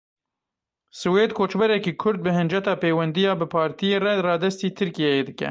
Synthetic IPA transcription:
sɨweːd̪kʰoːt͡ʃbɛɾɛkiːkʰʊɾd̪̚bɨɦɨnd͡ʒɛt̪ɑːpeːwɛnd̪ijɑːbɨpʰɑːɾt̪ʰijeːrɛrɑːd̪ɛst̪iːt̪ʰɨɾkijɛjeːd̪ɨkɛ̰

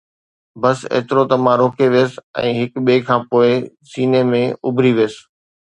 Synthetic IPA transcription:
bɐsḛːt̪ɪɾot̪ɐmãɾoːkeʋijəs̆ɛ̰̃ːɦɪkɓeːkʰãːpoːɪ | siːnemẽʊ̰bʱɾiʋiəsɪ̥

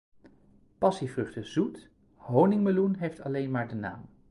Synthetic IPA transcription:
pɑsivrɵχtəz̥ut | ɦownɪŋməlunɦejftɑlejnmaːɹdəna̰ːm

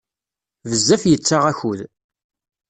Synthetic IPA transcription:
vəzːæfjət͡sːaʁæçuð

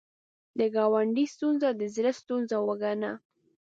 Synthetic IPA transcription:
d̪əɡɑwaɳɖist̪unzad̪əzɾəst̪unzawaɡana

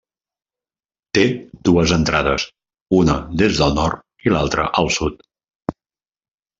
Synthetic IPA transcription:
t̪ed̪uəzənt̪ɾaðəs | unəðezðəlˠnɔɾt̪ | ilalˠt̪ɾə̰ʔəlˠsut̪

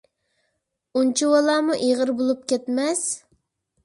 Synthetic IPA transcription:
unt͡ʃʰiwɑlˠɑːmuʔeʁəɾbolˠup̚kʲɛt̪mɛs

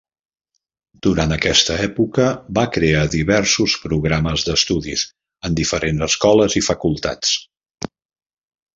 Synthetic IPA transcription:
d̪̥uɾant̪əkɛst̪əɛpukəbakɾeaðiβɛɾsuspɾuɣɾaməzðəst̪uðḭz | ənd̪ifəɾenzəskɔləzifəkulˠt̪a̰t͡s

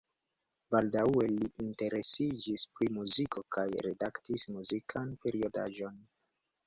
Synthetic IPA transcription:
baldawe̞liʔinte̞ɾe̞sid͡ʒispɾimuziko̞kajɾe̞̰daktismuzikʰanpe̞ɾio̞da̰ʒo̞n

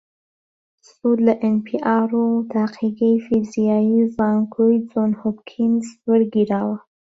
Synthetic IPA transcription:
sud̪laʔenpiʔɑɾot̪aqiɡəjfizijɑjizɑŋkujd͡zonhobkʰɪnzwəɽɡiɾɑwa

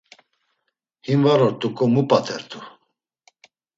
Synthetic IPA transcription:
himvaɾɔɾt̪ʼukʼɔmupʼat̪ʰɛɾt̪ʰu

